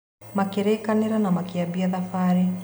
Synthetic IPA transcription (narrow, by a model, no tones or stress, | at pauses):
makeɾeːkaneɾanamakiabiaðafaɾi